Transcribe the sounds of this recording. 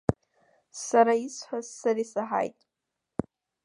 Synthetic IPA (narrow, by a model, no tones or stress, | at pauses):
saɾaisħazːaɾisaħa̰jtʼ